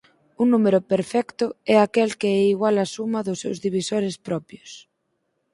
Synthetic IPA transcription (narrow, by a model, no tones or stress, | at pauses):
unumeɾʊpeɾfɛkt̪ʊɛakɛlkɪɛiɣwalɐsumɐðʊsːewzðiβ̞isoɾɪspɾɔpjʊs